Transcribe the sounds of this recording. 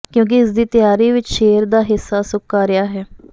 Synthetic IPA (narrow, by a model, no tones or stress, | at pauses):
kjõːk̬ɪɪs̬d̪iːt̪ɪjaːɾiːʋɪt͡ʃʃeːəɾd̪aːɦɪsːaːsʊkːaːɾɪjaːɦɛː